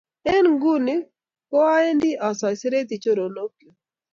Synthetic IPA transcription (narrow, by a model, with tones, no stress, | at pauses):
ɛ˦nɡu˦ni˦ | kɔ˦a˦e˦ndi˦ʔa˨sa˨jsɛ˦ɾe˦t̪i˨t͡ʃo˦ɾo˨lo˦kjo˨